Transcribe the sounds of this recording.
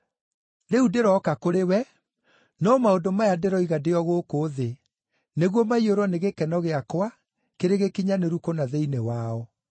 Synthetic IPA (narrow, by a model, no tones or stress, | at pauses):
neudeɾɔːkakoɾewɛ | nɔmaodomajadeɾɔiɣadeɔɣoːkoːðe | neɣwɔmaioɾwɔneɣekɛnɔɣeakwa | keɾeɣekiɲaneɾukonaðeinewaɔ